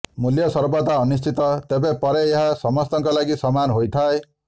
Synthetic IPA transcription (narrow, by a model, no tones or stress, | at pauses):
muljʌsʌrbɔt̪aʌnist͡ʃit̪ʌt̪ebepʌɾeeɦasʌmʌst̪ʌŋkolaɡisʌmanɦojt̪ʰae